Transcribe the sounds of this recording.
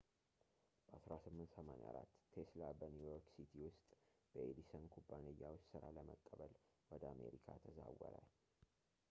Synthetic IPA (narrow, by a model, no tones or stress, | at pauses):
b̥əʔasɾasɨmːɨnt̪səmanḛa̰ɾat̪ːʰeslabənujoɾksit̪ʰiwʊst̪ʼb̥əʔed̪isənkʰubːanejːawʊt͡ʃːsɨɾaləmək̪ʼːəβəlwɔd̪əame̞̰ɾikʰat̪ʰəzawə̰ɾə